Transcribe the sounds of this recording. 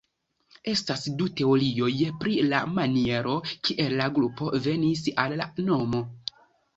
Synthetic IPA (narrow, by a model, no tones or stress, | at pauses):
e̞stasdute̞o̞ɾio̞jpɾila̰manie̞ɾo̞kiʔe̞lːaɡɾupo̞ve̞nis̬alːano̞mo̞